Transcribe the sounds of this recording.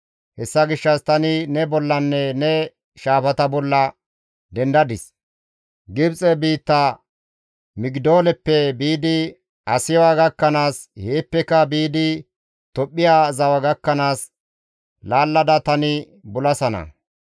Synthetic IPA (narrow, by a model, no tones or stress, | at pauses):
hɛsːɐɡɪʃːɐst̪ɐnɪnɛbɔlːɐnːɛnɛ | ʃaːfɐt̪ɐbɔlːɐ | d̪ɛnd̪ɐd̪ɪs | ɡɪbt͡sʼɛbiːt̪ːɐ | mɪɡd̪oːlɛpːɛbiːd̪ɪ | ɐsɪjwaːɡɐkːɐnaːsheːpːɛkɐbiːd̪ɪ | t̪ɔpʼːɪjaːzɐwɐɡɐkːɐnaːs | laːlːɐd̪ɐt̪ɐnɪ | bʊlɐsɐnɐ̰